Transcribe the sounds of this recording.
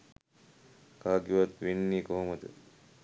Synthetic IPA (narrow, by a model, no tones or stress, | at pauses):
kaːɡjuʋat̪ʋenːiːkoɦoməd̪ə̰